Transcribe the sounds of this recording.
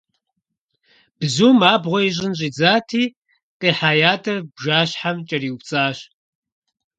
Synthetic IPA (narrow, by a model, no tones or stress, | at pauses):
b̥zuːmaːbʁʷɔiɕ̬ʼɪnɕ̬ʼiːd͡zaːtʰiː | qʼeːħaːjaːtʰʼɐrbʒaːɕħamt͡ʃʼɐriːwupt͡sʼaːɕ